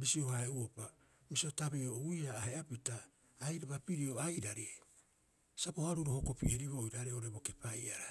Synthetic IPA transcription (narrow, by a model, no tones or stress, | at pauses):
bisio̞haeuopa | misiotabeoujaːheapitaː | jɾaβapiɾio̞ajɾaɾe | sapohaɾuɾohoko̞piʔeɾiβojɾaɾeo̞ɾebo̞ke̞pajaɾa